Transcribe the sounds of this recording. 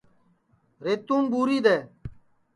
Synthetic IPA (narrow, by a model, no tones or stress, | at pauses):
ɾeːt̪ũːŋbuːɾiːd̪eː